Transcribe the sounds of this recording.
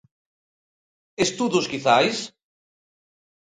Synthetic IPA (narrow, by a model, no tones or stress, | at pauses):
est̪uðuskiθajs